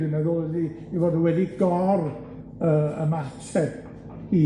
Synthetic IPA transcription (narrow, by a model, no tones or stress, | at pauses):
ɪnəðoði | ivodəwɛdiɡɔr | əːəmatʰɛ | hiː